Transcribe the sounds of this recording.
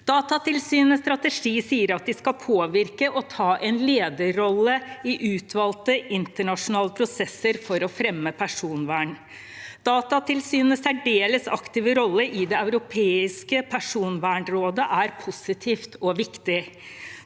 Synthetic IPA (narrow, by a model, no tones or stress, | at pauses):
d̪̥ɑːt̪ɑt̪ɪlsyːnəst̪ɾɑt̪əʂiːsiːəɾɑt̪̚d̪ɪskɑpʰoːʋɪɾkəʔɔt̪ʰɑːʔɛnleːd̪əɾɔlːəɪʔʉːt̪ʰʋɑːlt̪əɪnt̪əɳɑʂʊnɑːləpʰɾʊsɛsːəɾfɔɾɔfɾɛmːəpʰæʂuːnʋæːɳ | d̪̥ɑːt̪ɑt̪ʰɪlsyːnəsæɖeːləsɑ̰kt̪ɪːʋəɾɔlːəʔɪd̪ɛɑʉɾʊpʰeːɪskəpʰæʂuːnʋæːɳɾoːd̪əʔæɾpʰʊsɪt̪ʰiːft̪ɔʋɪkt̪ɪ